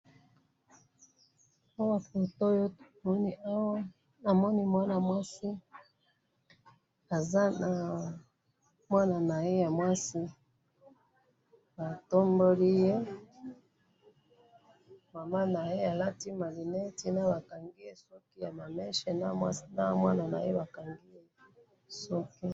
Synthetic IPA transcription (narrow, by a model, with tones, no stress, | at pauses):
a˦wa˨fo˨to˦jo˦mɔ˦ni˦a˦wa˦ | na˨mɔ˦ni˦mwa˦na˨mwa˦si˦ | a˨za˦na˨ | mwa˦na˨na˨je˦ja˨mwa˦si˦ | ba˨to˦mbo˦li˦je˦ | ma˨ma˦na˨je˦a˨la˦ti˦ma˨li˨ne˦ti˦na˦ba˨ka˨ŋɡi˦je˦sɔ˦ki˦ja˨ma˨mɛ˦ʃe˨na˦mwa˦si˦na˦mwa˦na˨na̰˨je˦ba˨ka˨ŋɡi˦je˦ | sɔ˦ki˦